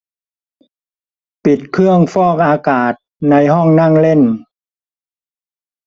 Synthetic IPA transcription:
pi˨˩t̪̚kʰɯ˥˩əŋfɔː˥˩k̚ʔaː˧kaː˨˩t̪̚na˧jɦɔ˥˩ŋna˥˩ŋle˥˩n

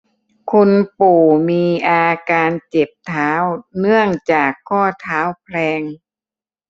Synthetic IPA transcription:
kʰu˧npuː˨˩miː˧ʔaː˧kaː˧nt͡ɕe˨˩p̚t̪ʰaː˦˥wnɯ˥˩əŋt͡ɕaː˨˩kʰːɔː˥˩t̪ʰaː˦˥wpʰlɛː˧ŋ

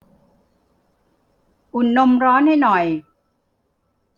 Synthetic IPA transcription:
ʔu˨˩nːo˧mɾɔː˦˥nha˥˩jnɔ˨˩j

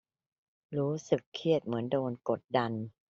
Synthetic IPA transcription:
ɾuː˦˥sɯ˨˩kʰːi˥˩ət̪̚mɯ˩˦əndoː˧nko˨˩t̪̚da˧n

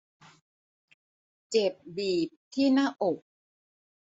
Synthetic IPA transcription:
t͡ɕe˨˩p̚biː˨˩p̚t̪ʰiː˥˩naː˥˩ʔo˨˩k̚

